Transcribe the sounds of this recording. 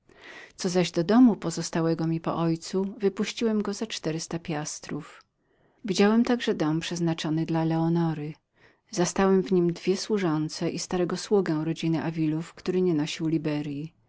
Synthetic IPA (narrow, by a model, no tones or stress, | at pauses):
t̪sɔzaʑd̪ɔd̪ɔmupɔzɔst̪awɛɡɔmʲipɔ̰ʔɔjt̪suvɘpuɕt͡ɕiwɛmɡɔzat͡ʂt̪ɛɾɘst̪apʲjast̪ɾuf | vʲid͡ʑawɛmt̪aɡʐɛd̪ɔmpʂɛznat͡ʂɔnɘd̪lalɛɔnɔɾɘ | zast̪awɛmvɲimd̪vʲjɛswuʐɔnt̪sɛʔist̪aɾɛɡɔswuɡɛw̃ɾɔd͡ʑinɘʔavʲilufkt̪uɾɘɲɛnɔɕiwlʲibɛɾji